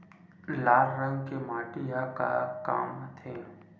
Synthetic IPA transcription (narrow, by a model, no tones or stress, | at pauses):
laːɾːə̃ŋɡkemaːʈɪjaka̰ka̰ːmt̪ʰeː